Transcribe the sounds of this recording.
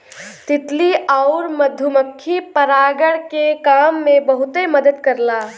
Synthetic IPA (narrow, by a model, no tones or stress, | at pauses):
t̪ɪt̪liaʊɾməd̪ʱjʊməkʰːipəɾaːɡəɽkekaːmːẽbəɦʊt̪eməd̪əd̪kəɾla